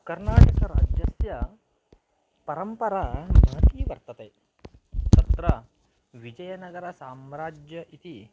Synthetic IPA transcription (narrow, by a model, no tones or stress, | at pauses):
kɐɾnaːʈɐkɐɾaːd͡ʒjɐsjɐ | pɐɾɐmpɐɾanaːt̪iːʋɐɾt̪ɐt̪eː | t̪ɐt̪ɾɐ | ʋid͡ʒɐjɐnɐɡɐɾɐsaːmɾaːd͡ʒjɐʔit̪i